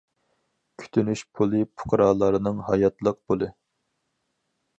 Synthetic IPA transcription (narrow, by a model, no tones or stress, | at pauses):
kʲʰy̥t̪ʰynyʃpʰulˠɨpʰʊ̥qʰɾɑːlˠɑɾɨnɨŋɦɑjɑt̪lˠəq̚b̥olˠɨ